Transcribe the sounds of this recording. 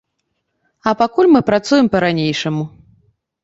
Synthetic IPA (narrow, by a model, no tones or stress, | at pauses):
ɐpakulʲmɨpɾat̪sujɛmpɐɾanʲejʂɐmu